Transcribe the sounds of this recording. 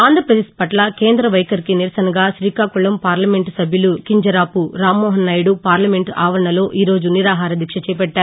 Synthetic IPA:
aːnd̪ʱɾɐpɾɐd̪eːspɐʈlɐkeːnd̪ɾɐʋɐjkɐɾikiniɾɐsɐnɐɡaːʃɾiːkaːkuɭɐmpaːɾlɐme̞ɳʈsɐbʱjɐlukiɲd͡ʒɐɾaːpuɾaːmːɔːɦɐnːɐjɽupaːɾlɐme̞ɳʈaːʋɐɾɐɳɐlo̞ːʔiːɾo̞ːd͡ʒuniɾaːɦaːɾɐd̪ikʂɐt͡ʃɛːp̬ɛʈːaːɾu

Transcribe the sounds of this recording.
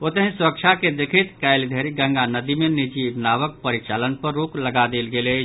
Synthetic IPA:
ot̪əɦĩsuɾəkt͡ʃʰaked̪ekʰit̪kaɪld̪ʱeɾiɡə̃ŋɡanəd̪imenid͡ʒibnaβək̚pəɾit͡ʃalənpəɾːukləɡad̪elɡele

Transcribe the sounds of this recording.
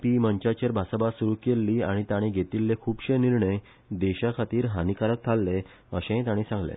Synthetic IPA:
piməɲt͡ɕat͡ɕəɾbʱasabasuɾukelːiːaɽ̃it̪aɽ̃ĩɡʱet̪ilːekʰuːbɕẽniɾɳəj | d̪eɕakʰat̪iːɾɦanikaɾək̚t̪ʰalːe | əɕẽt̪aɽ̃ĩsãŋɡlḛ̃

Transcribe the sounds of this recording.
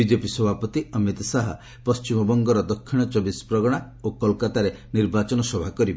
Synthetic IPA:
id͡ʒepiswɔbʱapɔt̪iəmit̪saɦɔ̰ | pɔst͡ʃimɔbɔŋɡɔɾɔd̪ɔkʰːiɽ̃ɔt͡ʃɔbispɾɔɡɔɽ̃a | okɔlkat̪aɾe | niɾbat͡ʃɔnɔsɔbʱakɔɾibe

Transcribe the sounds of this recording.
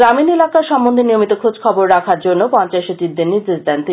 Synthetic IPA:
ɾaminelakaɾʃɔmbond̪ʱenijomit̪okʰod͡ʑkʰɔboɾɾakʰaɾd͡ʑonːopɔnt͡ɕaeʃot̪iɾd̪eɾniɾd̪eʃd̪ɛnt̪i

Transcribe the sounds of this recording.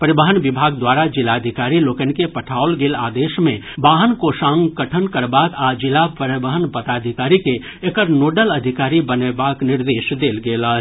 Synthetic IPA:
pəɾɪbəɦənʋɪbʱaːɡ̚d̪waːɾad͡ʒɪlad̪ʱɪkaːɾiloːkənkepɐʈʰaːʊlɡeːla̰ːd̪eːʃmẽ | baːɦənkoʃãːŋkəʈʰənkəɾbaːkaːd͡ʒɪlapəɾɪbəɦənpət̪aːd̪ʱɪkaːɾike | ekəɾnoːɖəlɐd̪ʱɪkaːɾibənebaːknɪɾd̪eːʃd̪eːlɡeːla

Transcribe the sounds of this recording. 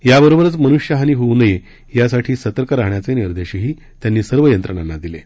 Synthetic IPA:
jabəɾobəɾət͡smənuɕjəɦañiːɦounəje | jasaʈʰiːsət̪əɾkəɾaɦɳjat͡seniɾd̪eɕəɦiː | t̪janːiːsəɾʋəjənt̪ɾəɳ̃anːad̪ile

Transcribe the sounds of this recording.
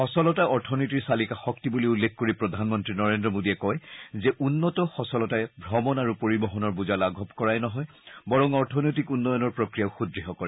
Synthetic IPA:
xɔsɔlɔtaɔɹtʰɔnɔjtiɹsalikaxɔk̚tibuliulːekʰkoɹipɹɔdʱanmɔntɹinɔɹendɹɔmodiɛkɔjzɛʔunːɔtɔxɔsɔlɔtajbʱɔmɔnaɹupoɹibɔɦɔnɔɹbuzalaɡʱɔbkɔɹajnɔɦɔj | bɔɹɔŋɔɹtʰɔnɔjt̬ikunːɔjɔnɔɹpɹɔkɹijaʊxudɹiɦɔkɔɹɛ

